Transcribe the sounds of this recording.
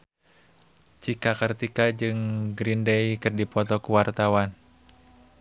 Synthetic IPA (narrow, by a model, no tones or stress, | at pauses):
t͡ʃikakərt̪ikad͡ʒɨŋɡɾindejkɨrdipɔt̪ɔkuwart̪awan